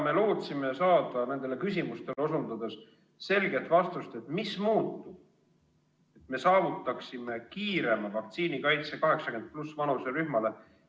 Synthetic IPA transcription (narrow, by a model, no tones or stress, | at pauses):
me̞lo̞ːt̪sime̞sɑːd̪̥ɑne̞nd̪̥e̞lekys̬ʲimust̪e̞leo̞sund̪ɑd̪e̞s | se̞lɡe̞t̪ːˑvɑst̪ust̪e̞t̪mismuːt̪ːu | e̞t̪me̞sɑːvut̪ːˑɑksime̞kiːɾe̞mɑvɑk̚t̪siːnikɑjt̪sekɑɦe̞ksɑkend̪̚plusvɑnuseɾyhmɑle̞